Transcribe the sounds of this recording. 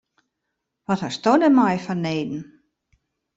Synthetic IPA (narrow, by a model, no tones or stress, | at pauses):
ʋɔthastodəmajfɔneːdn̩